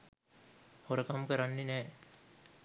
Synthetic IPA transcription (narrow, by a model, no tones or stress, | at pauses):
hoɾəkamkəɾanːenɛː